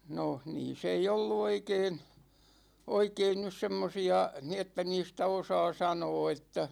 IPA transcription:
no niːs ei olːu oikeːn oikeːn nys semːosiɑ ni etːæ niːstæ osɑː sɑnoː etːæ

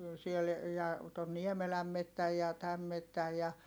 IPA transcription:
siel jɑ ton niemelæm metːæj jɑ tæm metːæj jɑ

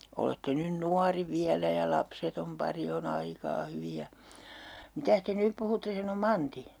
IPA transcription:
oletːe nyn nuɑri ʋiælæ jɑ lɑpsetom pɑri on ɑikɑː hyʋi jɑ mitæs te nyp puhutːe sɑno mɑnti

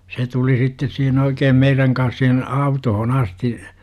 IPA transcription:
se tuli sitːes sihen oikeːm meiræŋ kɑns sihen ɑutohon ɑsti

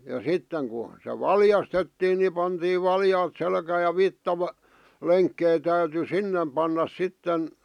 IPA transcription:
jɑ sitːeŋ ku se ʋɑljɑstetːiːn ni pɑntiːʋ ʋɑljɑːt selkæːj̆ jɑ ʋitːɑʋæ leŋkːei tæyty sinːem pɑnːɑs sitːen

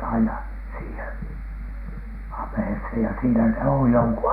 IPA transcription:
ɑinɑ siːhen ɑmˑĕheshen jɑ siːnæ ne oj joŋku

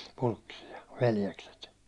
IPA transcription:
pulkːisiɑ ʋeljekset

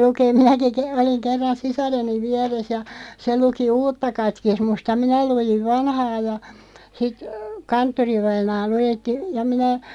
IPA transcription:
lukeːm̆ minæki ke oliŋ kerːɑn sisɑreniʋ̆ ʋiɛres jɑ se luki uːtːɑ kɑtkismust jɑ minæ lujiʋ ʋɑnhɑː jɑ sit kɑntːoriʋɑinɑː lujetːi jɑ minæ

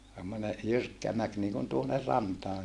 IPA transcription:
semːone jyrkːæ mæk niːkun tuonːer rɑntɑː

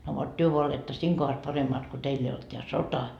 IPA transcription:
no ʋot tyø ʋoɑ oletːɑ siːŋ kohɑs pɑremːɑːt ko teilː ei olt teæ sotɑ

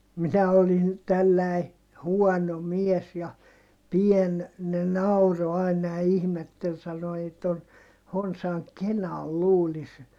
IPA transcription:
minæ olin tælːæi huɔno mies jɑ pien ne nɑuro ɑˑinɑ jɑ ihmetːel sɑno ei ton honsɑŋ kenɑl luːlis

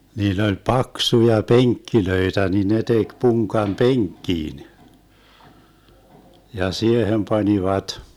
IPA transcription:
niːlː olʲ pɑksujɑ peŋkːiløitæ ni ne tek puŋkɑm peŋkːiːn jɑ siehem pɑnʲiʋɑt

